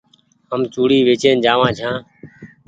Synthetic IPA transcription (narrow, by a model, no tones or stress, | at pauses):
ɦəmt͡ʃuːɽiːʋeːt͡ʃeːnd͡ʒaːʋãːt͡ʃʰãː